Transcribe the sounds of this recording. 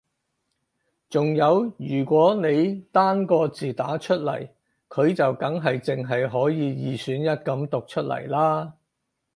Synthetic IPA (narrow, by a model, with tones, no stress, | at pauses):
t͡sʊ˨ŋjɐ˨˧wjyː˨˩kʷɔː˨˥ne˨˧jt̪aː˥nkɔː˧t͡siː˨˩t̪aː˨˥t͡ʃʰɵ˥t̚lɐ̰˨˩j | kʰɵ˨˧ɥt͡sɐ˨wkɐ˨˥ŋɦɐ˨jt͡sɪ˨ŋɦɐ˨jɦɔː˨˥jiː˨˧jiː˨˧syː˨˥njɐ˥t̚kɐ˨˥mt̪ʊ˨k̚t͡ʃʰɵ˥t̚lɐ̰˨˩jlaː˥